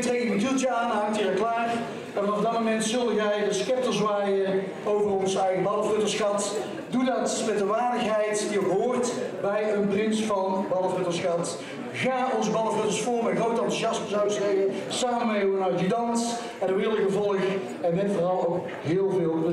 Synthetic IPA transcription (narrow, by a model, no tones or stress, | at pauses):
tremətylˠtəaːnɦaːk̚tiəklaːr | vɑnɑvdɑt̚momɛntsɵlˠdənʋɛjdəskɛp̚təsʋaːjə | owvərɔnzɛjɣəbɑləfrøtəsxɑt | dudɑtmɛtəʋaːɹdəxɦɛjtdiəbəɦʊːrtbɛjənprɪnsfɑnbɑlˠəvətəsxɑt | ɣaːɔnzbɑləvøtəɹsfʊːɹmɛxrowtɑntujɑsməzawəseəsaːmənmɛoənawtidɑnt | ɛndəʋɪlˠəɣəvɔlˠəx | ɛnʋɛnfɔrɑlˠowk | ɦɪːlˠvɪːlˠ